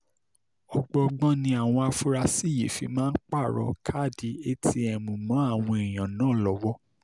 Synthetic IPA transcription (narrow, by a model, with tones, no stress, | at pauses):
ɔ˧ɡ͡bɔ˧ɡ͡bɔ̃˦nĩ˧a˨w̃ɔ̃˧a˧fu˦ɾa˧si˦˨jḛ˨fi˨˧mãː˦n̩˦k͡pa˦˨ɾɔ̰˨˧kʰa˦˨di˨˦e˦ti˧˦ɛ˨mũ˨mɔ̃˨˦a˦˨w̃ɔ̃˧e˨j̃ã˨nãː˦˨lɔ˨˦wɔ˦